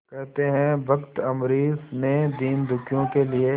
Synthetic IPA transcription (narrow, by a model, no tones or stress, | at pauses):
kɛɦt̪eɦɛ̃ʋɐkt̪ɐmɾiːsnẽd̪iːmd̪ʊkʰjõkelie